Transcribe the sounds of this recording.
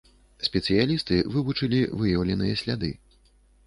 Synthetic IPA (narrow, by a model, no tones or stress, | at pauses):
sʲpʲɛt̪sɨjalʲist̪ɨvɨvut͡ʂɨlʲivɨjɐwlʲɛnɨjɛsʲlʲad̪ɨ̰